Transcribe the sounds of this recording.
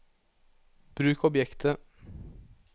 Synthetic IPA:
b̥ɾʉːkɔbjɛkt̪ʰə

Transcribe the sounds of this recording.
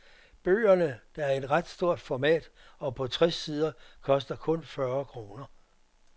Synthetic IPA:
b̥ø̰ːɐnəd̥ɑ̈æɐe̝d̥ʁɑd̥sd̥o̝ɐ̰d̥fɒmɛ̰ːd̥ɒ̽pʰɒ̽t͡sʰʁɛsːiːð̞ˠɐkʰɒ̽sd̥ɐkʰɔ̽nfɶɐkʰʁo̝ːnɐ

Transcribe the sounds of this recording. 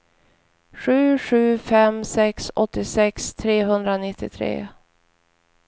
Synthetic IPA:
ɧʉ̟ːɧʉ̟ːfɛmsɛksɔt̪ːɪsɛkst̪ʰɾeːɦɵnd̪ɾanɪt̪ːɪt̪ʰɾḛː

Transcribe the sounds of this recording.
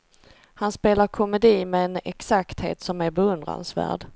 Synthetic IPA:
hanspeːlaɾkʰɔmɛd̪iːmɛɛnɛksakt̪hḛːt̪sɔmæɾbɛɵnd̪ɾa̰nsvæ̰ːɖ

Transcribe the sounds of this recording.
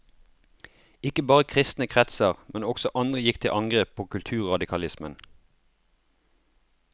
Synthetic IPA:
ɪkəbɑːʁəkʰʁɪst̪nəkʰʁɛt̪səʁmɛnɔɡ̥sɔʔɑnd̪ʁəjɪkt̪ʰɪlʔɑŋɡʁeːpʰːoːkʰʉlt̪ʰʉːʁʁɑd̪ɪkʰɑlɪsmən

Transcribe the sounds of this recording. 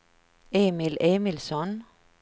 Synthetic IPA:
eːmɪlʔeːmɪlsɔn

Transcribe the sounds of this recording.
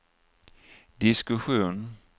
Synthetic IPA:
d̪ɪskʊɧuːn

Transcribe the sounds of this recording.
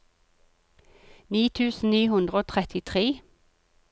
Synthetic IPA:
niːt̪ʰʉːsn̩niːhʉnd̪ʁəoːt̪ʰʁɛt̪ʰɪt̪ʰʁeː

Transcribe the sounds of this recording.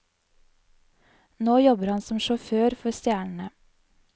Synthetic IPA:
noːjɔbəɾhɑnsɔmʃɔføːɾfɔɾst̪jæːɳɳ̩ə

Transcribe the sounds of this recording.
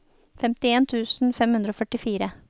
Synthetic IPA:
fɛmt̪ɪeːnt̪ʰʉːsn̩fɛmhʉnd̪ɾoːfœʈɪfiːɾə

